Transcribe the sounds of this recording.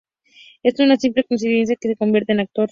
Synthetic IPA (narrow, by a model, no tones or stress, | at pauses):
esunasimple̞koins̬iðe̞ns̬jakese̞ko̞mbje̞ɾt̪enak̚t̪oɾ